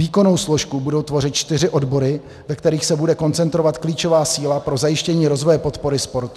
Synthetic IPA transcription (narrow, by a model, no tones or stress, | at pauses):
iːko̞no̞wsloʃkubudo̞wt̪vo̞rɪt̪t͡ʃt̪ɪr̝ɪʔo̞dbo̞ɾɪ | vɛkt̪ɛɾiːxsɛbudɛko̞nt͡sɛnt̪ɾovat̪kliːt͡ʃo̞vaːsiːlapɾo̞zajɪʃcɛɲiːɾo̞zvojɛpo̞t̪po̞ɾɪspo̞ɾt̪u